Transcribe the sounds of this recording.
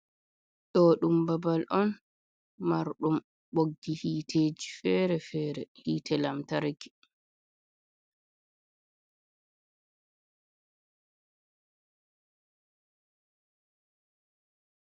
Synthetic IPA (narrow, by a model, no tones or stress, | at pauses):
ɗɔɗumbabalʔɔn | maɾɗum | ɓoɡːihiːtʰeːd͡ʒifɛɾɛfɛːɾɛhiːtɛlamtaɾɡi̥